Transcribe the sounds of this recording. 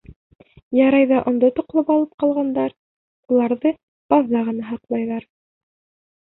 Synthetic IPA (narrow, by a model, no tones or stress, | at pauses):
jɑɾɑjðɑʔŏnd̪ot̪ŏqlˠɤpɑlˠɤp̚qɑlˠʁɑnd̪ɑɾ | ulˠɑɾðɤ | b̥ɑðːɑʁɤ̆nɑɦɑqlˠɑjðɑɾ